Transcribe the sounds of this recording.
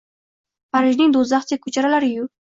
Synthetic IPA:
paɾɪʒnɪŋd̪ozaχt͡ʃʰakʰɵt͡ʃʰaɾalaɾɪjʊ

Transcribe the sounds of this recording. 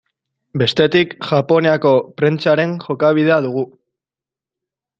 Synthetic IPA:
be̞st̪e̞t̪ikʝapo̞neako̞pɾe̞nt͡saɾe̞ŋʝo̞kaβ̞iðe̞aðuɣ̞u

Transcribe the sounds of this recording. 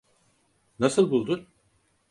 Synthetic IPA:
nasɯlˠbulˠd̪u

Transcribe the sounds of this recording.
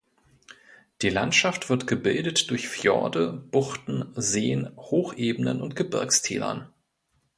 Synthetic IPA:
d̥iːla̰ntʃaftv̥ɪɐtɡ̥əbɪldətd̥ʊɐçfjɔ̰ɐdəb̥ʊχtn̩zeːənhoːxʔeːbənə̰nʊntɡ̥əbɪ̰ɐkstʰḛːlɐ̰n

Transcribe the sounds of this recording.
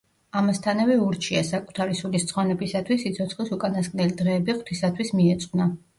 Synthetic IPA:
amast̪ʰanavɛuɾt͡ʃʰia̰sakʼut̪ʰaɾisulist̪sʼχwanɛbisat̪ʰwisːit̪sʰɔt̪sʰχlisukʼanaskʼnɛlid̪ʁɛːbiχw̥t̪ʰisat̪ʰwismiɛt̪sʼqʼna

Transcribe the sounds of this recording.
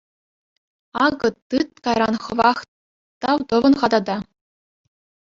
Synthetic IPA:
ɑɡɤ̆t̪ːɯt̪kɑjɾɑnχɤ̆ʋɑχ | t̪ɑwt̪ɤ̆ʋɤ̆nχɑd̪ɑd̪ɑ

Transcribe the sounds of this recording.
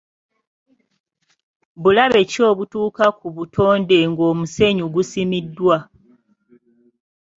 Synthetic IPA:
βulaβe̞co̞ːβutuːkakuβutʰo̞ːnde̞ŋɡo̞ːmuse̞ɲuɡusimidːwa

